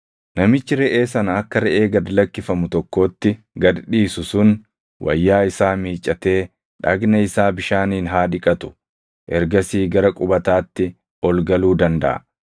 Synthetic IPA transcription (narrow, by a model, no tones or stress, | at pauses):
nɐmɪt͡ʃːɪɾɛʔe̞ːsɐnɐɐkːɐɾɛʔeːɡɐd̪lɐkːɪfɐmʊt̪ɔkːo̞ːt̪ːɪ | ɡɐd̪ᶑiːsʊsʊn | wʔɐ̰jːaːɪsaːmiːt͡ʃʼːɐt̪e̞ː | ᶑɐ̰ɡnɐɪsaːbɪʃaːniːnɦaːᶑɪkʼɐt̪ʊ̥ | ʔɛɾɡɐsiːɡɐɾɐkʼʊbɐt̪aːt̪ːɪ | ɔlɡɐluːd̪ɐnd̪ɐ̰ʔɐ̰